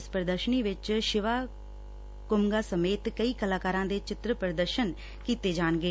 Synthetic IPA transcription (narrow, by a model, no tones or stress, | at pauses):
ɪspɾəd̪əɾʃəniːʋɪt͡ʃʃɪʋaː | kʊmɡaːsəmeːt̪kəiːkəlaːkaːɾãːd̪eːt͡ʃɪt̪ɾəpɾəd̪əɾʃən | kiːt̪eːd͡ʒaːnɡeː